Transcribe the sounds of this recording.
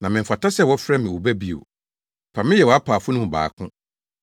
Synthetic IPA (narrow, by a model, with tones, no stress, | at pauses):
nã˨mɪ̃˨fa˨tʰa˦sɛ˦˨wɔ˦fɾɛ˦mɪ̃˨wo˨bæ˦bi˦˨o̰˨ | pʰa˨mɪ̃˦jɛ˨wɔ˨a˦pʰaː˨fʊ˦nʊ̃˦m˨ba̰ː˨kʰʊ̃˦